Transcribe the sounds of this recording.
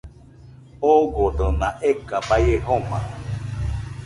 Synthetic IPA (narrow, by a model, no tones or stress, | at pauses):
oɡoɖənãʔekabajeɦomã̰